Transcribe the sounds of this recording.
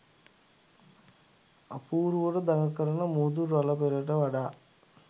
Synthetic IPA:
ɐpːuːɾuʋoɽɐd̪ɐŋɐkːɐɾɐnɐmuːd̪uɾɐlɐpeɾɐʈɐʋɐɖa

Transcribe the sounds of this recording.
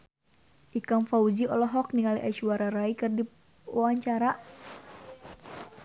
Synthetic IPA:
ʔikaŋfaud͡ʒiɔlɔɦɔk̚niŋaliʔaʃuaɾaɾaikɨrdi | waɲt͡ʃaɾa

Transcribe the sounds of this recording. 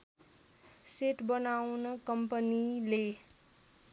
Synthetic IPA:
seʈbʌnawnʌkʌmpʌnile

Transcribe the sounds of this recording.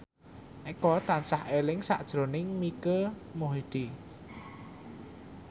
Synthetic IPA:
ʔekɔt̪ansahelɪŋsa̰ʔd̥ʒ̥ɾo̤nɪŋmikəmoɦid̪̥i

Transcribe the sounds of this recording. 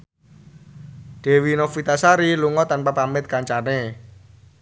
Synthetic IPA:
ɖ̥e̤winofit̪asaɾiluŋɔt̪anpapamɪt̪̚kaɲt͡ʃane

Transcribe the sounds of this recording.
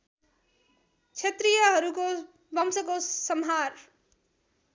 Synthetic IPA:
t͡sʰet̪rijʌɦʌɾuko | bʱʌmsʌkosʌmɦar

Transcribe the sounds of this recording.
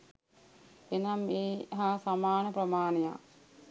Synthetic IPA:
enamːeːɦaːsamaːnəprəmaːneja̰

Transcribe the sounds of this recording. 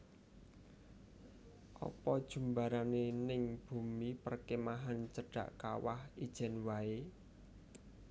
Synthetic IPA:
ʔɔ̰pɔd̥ʒ̥ṳmbaɾanenɪŋb̥ṳmipərkemaɦant͡ʃəɖ̥a̤̰ʔkawa̰hid̥ʒ̥ɛ̤nwae

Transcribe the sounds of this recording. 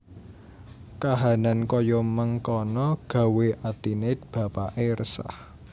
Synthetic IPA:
kaɦanankɔjɔməŋkɔnɔɡ̥ä̤weʔat̪inɪt̪̚b̥ä̤paʔerəsa̰h

